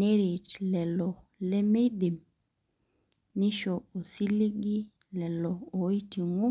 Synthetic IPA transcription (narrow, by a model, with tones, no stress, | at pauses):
e˦ɾi˨tlɛ˨lɔ˨le˦me˦di˨m | nɪ˦ʃo˨o˨si˦li˦ɡi˦ | lɛ˨lɔ˨o˨˦i˦ti˨ŋu˦